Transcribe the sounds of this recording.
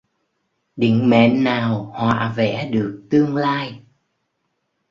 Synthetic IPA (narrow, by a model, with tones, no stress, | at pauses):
ɗḭ̈˧˨ŋ̟mɛ̰˧˨nːaː˨˩whwa̰ː˧˨vɛ̰˧˥ɗɨ˨˩ək̚t̪ɨ˧əŋlaː˧j